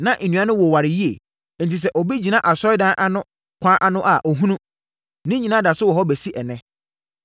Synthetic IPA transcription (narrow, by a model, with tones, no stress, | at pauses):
nã˦ʔn̩˨nũ˨˦ã˦nʊ̃˦wɔ˨wa˨ɾɪ˨ji˦ḛ˨ | n̩˨tʰi˨s̬ɛ˦ʔɔ˨bi˦d͡ʑĩ˨nã˦ʔa˨sɔ˦ɪ˦dã˦ʔa˦nʊ̃˦ | kʷʰã˦ʔa˦nʊ̃˦ʔa˨ʔɔ˨ɦũ˦nũ˦ | nɪ̃˦ɲĩ˨nã˦da˨sʊ˦wɔ˨ɦɔ˦bɛ˨si˦ʔɛ˨nɛ̃˦